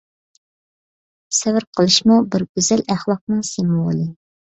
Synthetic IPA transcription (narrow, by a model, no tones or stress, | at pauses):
sɛvɪɾqʰəlˠɨʃmubɪɾɡʲyzɛlæχlˠɑq̚nɨŋsemwolˠɨ